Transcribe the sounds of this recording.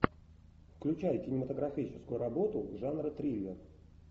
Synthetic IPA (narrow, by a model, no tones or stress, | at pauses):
fklʲʉt͡ɕæjkʲɪnʲɪmət̪əɡɾɐfʲit͡ɕɪ̥skʊjʊɾɐbo̞t̪ʊʐanrət̪ɾʲilʲɪr